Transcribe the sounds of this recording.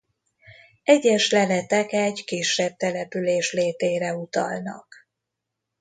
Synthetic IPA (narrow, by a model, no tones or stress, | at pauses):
ɛɟɛʃlɛlɛt̪ɛkɛɟkiʃːɛb̚t̪ɛlɛpyleːʃleːt̪eːɾɛut̪ɒ̰lnɒ̰k